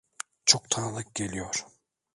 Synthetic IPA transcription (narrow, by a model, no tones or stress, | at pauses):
t͡ʃʰokt̪ʰanɯlˠɯk̚ɟ̥ʲelʲijoɾ̥